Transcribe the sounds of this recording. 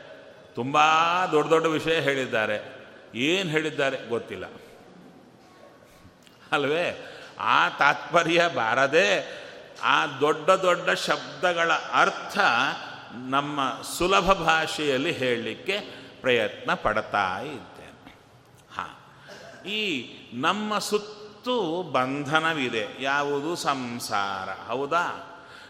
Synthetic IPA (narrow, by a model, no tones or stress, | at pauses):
t̪umbad̪ɔɖːɐd̪ɔɖːɐʋiʂɐjɐɦe̞ːɭid̪ːaːɾeeːnɦe̞ːɭid̪ːaːɾe̞ɡot̪ːilːɐ̰ | ɐlɐʋe̞ːa̰ːt̪aːt̪̚pɐɾjɐbʱaːɾɐd̪eː | aːd̪ɔɖːɐd̪ɔɖːɐʃɐb̚d̪ɐɡɐɭɐʔɐɾt̪ʰɐ | nɐmːɐsulɐbʱɐbʱaːʂɛjɐlːiɦeːɭlikːe̞pɾɐjɐt̪nɐpɐɽt̪a̰ːjid̪ːḛːne | ha̰ː | iːnɐmːɐsut̪ːubɐnd̪ʱɐnɐʋid̪ejaːʋud̪usɐmsa̰ːɾɐ̰ɦɐwd̪aː